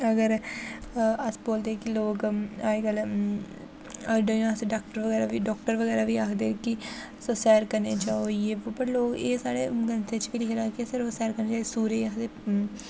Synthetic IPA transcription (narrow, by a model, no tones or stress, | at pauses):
əɡəɾ | əsboːld̪eːkiloːkaːɡəl | əɖəaseɖaːk̚ʈəɾʋəɡɛːɾaːʋiːɖɔːk̚ʈəɾʋəɡɛːɾaːʋiːaːkʰd̪eːkɪ | sosɛːɾkəɾneːt͡ʃaːoieːopəɾloːkeːsaːɽḛːɡənsʰeːt͡ʃʋiliɦeɾaːkisəɾosɛːɾkəɾneːt͡ʃaːesuːɾeːakʰd̪eː